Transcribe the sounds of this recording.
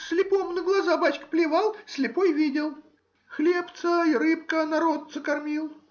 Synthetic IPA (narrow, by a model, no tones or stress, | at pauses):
sʲlʲɪpomnəɡlˠɐzabat͡ɕkə̥plʲɪvalˠsʲlʲɪpojvʲidʲɪlˠ | xlʲept̪səiɾɨpkənɐɾot̪səkɐrmʲilˠ